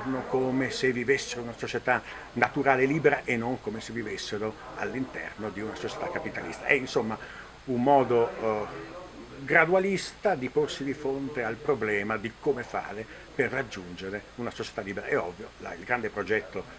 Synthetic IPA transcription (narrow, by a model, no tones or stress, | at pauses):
nokoːmesevːivesːeɾounasot͡ʃet̪a | nat̪uɾaːleliːbeɾaʔenːoŋkomesevivesːeɾo | a̰lːint̪ɛ̰rnod̪iunasot͡ʃe̥t̪akːapit̪a̰lḭst̪a̰ʔɛinsomːa | ummːɔːd̪o | ɡɾad̪ualist̪ad̪iporsid̪ifɾont̪ealpɾoblɛːmad̪ikomefa̰ːɾe | perːad͡ʒːund͡ʒeɾeunasot͡ʃe̥t̪alːiːbeɾa̰ɛɔvːjola̰ilɡɾand̪epɾod͡ʒɛt̪ːo